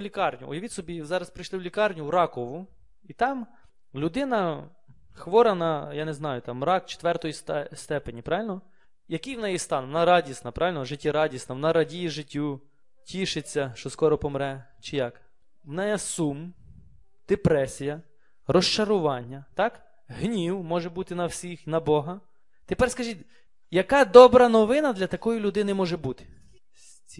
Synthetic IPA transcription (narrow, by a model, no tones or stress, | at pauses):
lʲikɑrnʲʊ̰ɔ̰jɐʋʲɪtʲsɔbʲizɑɾɐspɾɪjʃlˠɪwlʲikɑrnʲʊwɾɑkɔʋʊ | it̪ɑm | lʲʊd̪ɪnɐ | xʋɔɾɐnɐjaneznɑjʊt̪ɑmːɾɑkt͡ʃe̥t̪ʋɛrt̪ɔjist̪ɛst̪ɛpenʲipɾɑʋʲɪlʲnɔ | jɐkijwnɛjist̪ɑnʋɔnɑɾɑdʲisnɐpɾɑʋʲɪlʲnɔʒɪtʲːiɾɑdʲisnɐʋnɑɾɐdʲijiʒɪtʲːu | tʲiʃɪt͡sʲːɐʃt͡ʃɔskɔɾɔpɔmɾɛ | t͡ʃɪjɑk | wnɛjɛsum | d̪̥epɾɛsʲijɐ | rɔʃt͡ʃɐɾʊʋɑnʲːɐt̪ɑk | ɦnʲiwmɔʒɛbut̪ɪnɐwsʲixnɐbɔɦɐ | t̪epɛrskɐʒitʲ | jɐkɑd̪ɔbɾɐnɔʋɪnɐd̪lʲɐt̪ɐkɔjilʲʊd̪ɪnɪmɔʒɛbut̪ɪ̥ | sʲ | t͡sʲ